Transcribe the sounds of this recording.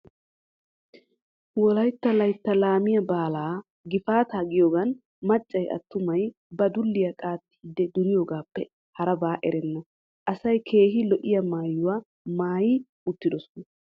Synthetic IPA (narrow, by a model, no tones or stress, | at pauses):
wɔlɐjt̪ːɐlɐjt̪ːɐlaːmɪjɐbaːlaː | ɡɪfaːt̪aːɡɪjoːɡɐn | mɐt͡ʃʼːɐjʔɐ̰t̪ːʊmɐj | bɐd̪ʊlːɪjɐkʼaːt̪ːi̥ːd̪ːɛd̪ʊɾɪjoːɡaːpːɛ | hɐɾɐbaːʔɛɾɛnːɔ | ʔɐsɐjkʰe̞ːɦɪlɔʔɪjɐmaːjːʊwa | maːjɪ | ʊt̪ːɪd̪ɔsɔnɐ